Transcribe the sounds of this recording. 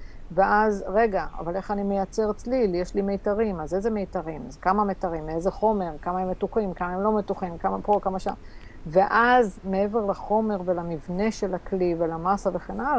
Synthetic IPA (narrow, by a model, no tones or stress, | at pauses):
veʔazʁe̞ɡaa̰vale̞χanimejat͡se̞ʁet͡sliljeʃlimejtaʁimazejzemejtaʁimzekamametaʁimezeχo̞me̞ʁkamaemːetuχimkamaemlo̞metuχimkamapokamaʃa̰n | ve̞ʔazme̞e̞ve̞ʁlaχo̞me̞ʁvelamivne̞ʃelaklivelamasave̞χenala